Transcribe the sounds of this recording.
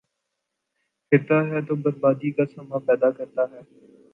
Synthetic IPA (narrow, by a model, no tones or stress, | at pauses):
kʰɪɾt̪aɦɛːt̪oːbəɾbaːd̪iːkasɐmaːpɛːd̪aːkɐɾt̪aɦɛː